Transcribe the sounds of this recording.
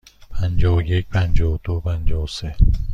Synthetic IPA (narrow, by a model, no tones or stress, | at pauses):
pʰænd͡ʒɒːje̞cʰpʰænd͡ʒɒːd̪̥opʰænd͡ʒɒːwse